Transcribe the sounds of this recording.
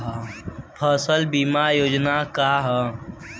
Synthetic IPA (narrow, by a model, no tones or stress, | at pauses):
ɦapʰəsəlbiːmajoːd͡ʒnakaːɦə